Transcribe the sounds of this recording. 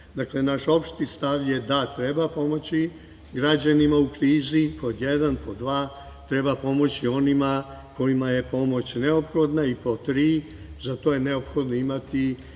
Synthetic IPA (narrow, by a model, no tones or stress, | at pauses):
d̪akle̞naʃo̞pʃt̪ist̪aʋje̞d̪at̪ɾebapo̞mo̞t͡ɕi | ɡɾad͡ʑanimaukɾiːzipod̪jed̪anpʰod̪ʋaː | t̪ɾe̞bapo̞mo̞t͡ɕio̞nimako̞imaje̞po̞mo̞t͡ɕne̞opxo̞d̪naipot̪ɾiː | zat̪o̞je̞ne̞opxo̞d̪noimat̪i